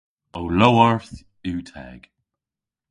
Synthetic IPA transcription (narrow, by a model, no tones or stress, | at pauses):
owlowəɹθ | iːtʰɛ̰ɡ̥